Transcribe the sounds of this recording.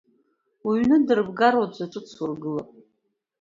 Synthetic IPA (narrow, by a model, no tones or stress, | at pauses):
wiɥnɨdɨrbɡaɾwad͡ʒʷaʈ͡ʂʼɨt͡sʰwurɡɨlapʼ